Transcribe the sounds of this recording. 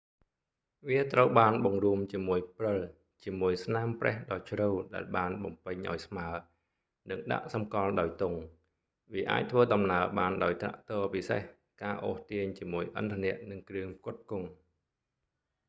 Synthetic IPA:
ʋiət̪rəwɓaːnɓɑŋruəmt͡ɕiəmuəjprɨl | t͡ɕiəmuəjsnaːmprɛ̰̆əhɗɑːt͡ɕʰrɨwɗaɛlɓaːnɓɑmpɨɲʔa̰ɔjsmaə | nɨŋɗa̰ʔsɑmkɑlɗaɔjt̪ʊŋ | ʋiəʔa̰ːc̚t̪ʰʋəːɗɑmnaəɓaːnɗaɔjt̪ra̰ʔt̪ɔːpisḛh | kaːʔoːht̪iəɲt͡ɕiəmuəjʔə̰nt̪ʰanɛ̆əʔnɨŋkrɨəŋkʊ̆ət̪̚kʊŋ

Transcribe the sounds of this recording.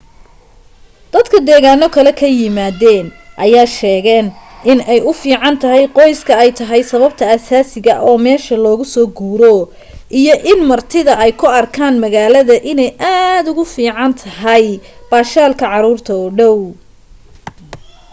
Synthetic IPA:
d̪̥ɐd̪kʰɐd̪ɛːɣaːnɔkʰɐlɛkʰɐjɪmaːðɛːnʔɐjaːʃɛːɣɛːnɪnɛjʊfiːʕɑnt̪ʰɐɦɛjqɔjskʰɐɛjt̪ʰɐɦɛjsɐβɐb̚t̪ʰɐɐsaːsɪɣɐʔɔːmɛːʃɐlɔːɣʊsɔːɡuːɾɔ | ʔijɔʔɪnmɐrt̪ʰɪðɐɛjkʰʊɐrkʰaːnmɐɣaːlɐðɐʔɪnɛjʔaːd̪ʊɣʊfiːʕɑnt̪ʰɐɦɐjb̥aːʃaːlkʰɐʕɑɾuːrt̪ʰɐɔːɖɔw

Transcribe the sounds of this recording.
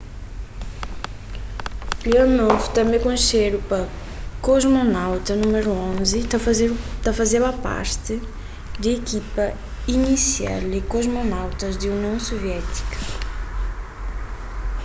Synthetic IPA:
pionovt̪ɐ̃mẽkõʃeɾupɐ | koʒmonawt̪ɐnumeɾuõzɪ | t̪afɐzeɾɐpa̰ɾt̪ɪ | d̪ɐekipɐ | inisia̰lɪkoʒmonawt̪ɐzd̪ɪuniɐ̃w̃soviɛt̪i̥kɐ̥

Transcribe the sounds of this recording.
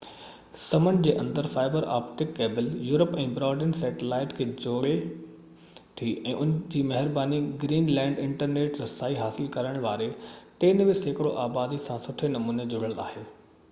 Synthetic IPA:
sɐmənd͡ʑeːʔɐ̃nd̪əɾfaːɪbəɾa̰ːpʈɪkːeːbɪljuːɾəpɛ̃ːbɾɔːɾɖənsɛːʈɪlaːɪʈkʰeːd͡ʑoːɽe | t̪ʰiɛ̃ːʔʊnd͡ʑiːmɐɦɪɾbaːniɡɾiːnlɛ̃ːɳɖɪ̃ɳʈəɾneːʈɾɐsaːiɦaːsɪlkɐɾəɽ̃ʋaːɾeʈẽːnʋɪseːkɪɽoʔaːbaːd̪isãsʊʈʰenɐmuːned͡ʑʊɽ̤əla̰ːheː

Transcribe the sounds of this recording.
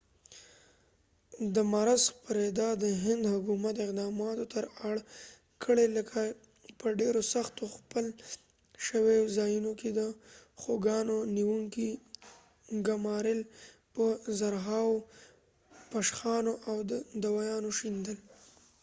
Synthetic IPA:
d̪əmaɾazxpaɾed̪ɑd̪əɦɪnd̪hʊkumat̪ɪqd̪ɑmɑt̪ot̪əɾaɽ | kʰəɽeləkʰa | pəɖeɾosaxt̪oxpəl | ʃəwezɑjunoked̪əxoɡɑnoniwuŋki | ɡamɑɾɪlpəzaɾɦɑw | paʃxɑnoʔawd̪əd̪awɑjɑnoʃind̪əl

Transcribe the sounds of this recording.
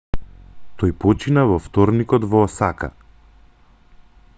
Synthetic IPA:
t̪ɔjpɔt͡ʃinavɔft̪ɔɾnikɔd̪vɔːsaka̰

